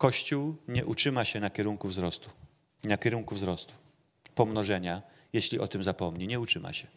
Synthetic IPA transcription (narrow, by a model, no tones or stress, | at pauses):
kɔɕt͡ɕuwɲɛʔut͡ʂɘmaɕɛnakʲɛɾuŋkuvzɾɔst̪u̥ | nakʲɛɾuŋkuvzɾɔst̪u̥ | pɔmnɔʐɛɲa | jeɕlʲiʔɔt̪ɘmzapɔmɲiɲɛut͡ʂɘma̰ɕɛ